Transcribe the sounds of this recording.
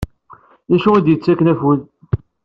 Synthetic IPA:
ðæʃuæd̪jət͡sːækːənæfuð

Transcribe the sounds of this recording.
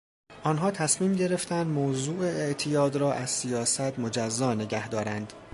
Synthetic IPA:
ʔɒːnɦɒːt̪ʰæsmiːmɟe̞ɾe̞ft̪ʰænd̪moːzuːeeʔt̪ʰijɒːd̪ɾɒːʔæzsijɒːsæt̪ʰmo̞d͡ʒæzːɒːne̞ɟæhd̪ɒːɾænd̪̥

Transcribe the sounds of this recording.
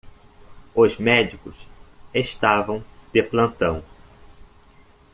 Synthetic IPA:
ʊzmɛd͡ʒikʊ̰seʃt̪avɐ̃w̃d̪̥eplɐ̃nt̪ɐ̃w̃

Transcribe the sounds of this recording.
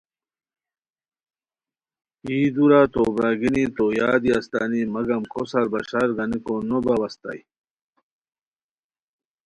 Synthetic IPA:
iːd̪uɾat̪obɾaɡinit̪ojaːd̪iast̪a̰nimɐɡɐmkosɐɾbɐɕaɾɡɐnikonobɐwɐst̪a̰j

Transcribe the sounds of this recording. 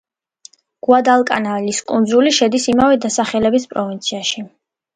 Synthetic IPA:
ɡ̥wad̪alˠkʼa̰naliskʼund̪zuliʃɛd̪isimavɛd̪asaχɛlɛbispʼɾɔvint̪sʰiaʃi

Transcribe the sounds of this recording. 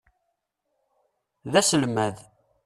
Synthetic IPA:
ðæsəlmæð

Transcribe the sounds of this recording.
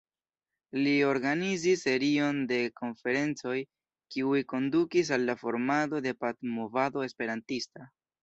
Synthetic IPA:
lio̞ɾɡanizisːe̞ɾio̞nde̞ko̞nfe̞ɾe̞nt͡so̞j | kiujko̞ndukis̬alːafo̞ɾmado̞de̞patmovado̞e̞spe̞ɾantista

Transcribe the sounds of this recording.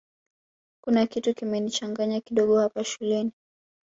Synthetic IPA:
kunakitukimɛnit͡ʃaŋɡaɲakiɗɔɠɔhapaʃulɛni

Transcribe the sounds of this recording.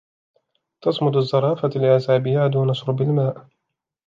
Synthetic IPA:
t̪ɑsˤmʊd̪azˤːɑɾˤɑːfalɪʕazaːbɪjaːd̪uːnɑsɾbɪlmaːʔ

